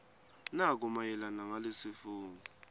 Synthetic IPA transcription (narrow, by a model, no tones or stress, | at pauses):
nak̬umajɛlanaŋalesifuːŋi